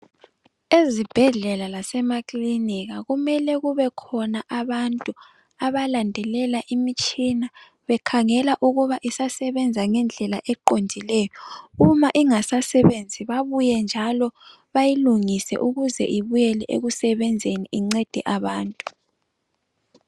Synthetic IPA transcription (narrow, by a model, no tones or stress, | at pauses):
ezib̥ʱɛɮɛlalasɛmakʼliniɣaɣumɛlɛɣuβɛkʰɔnaʔaβantʼu | aβalandʱɛlɛlaʔimit͡ʃʼina | βɛkʰaŋɛlaʔuɣuβaʔisasɛβɛnd͡zʱaŋɛnd͡ɮʱɛlaʔɛǃondʱilɛjɔumaʔiŋasasɛβend͡zʱiβaβujɛnd͡ʒʱalɔ | βajiluŋisɛ̰ʔuɣuzɛ̰ʔiβujɛlɛʔḛɣusɛβɛnd͡zʱeniʔiŋ͡ǀed̥ʱiʔaβaːntʼu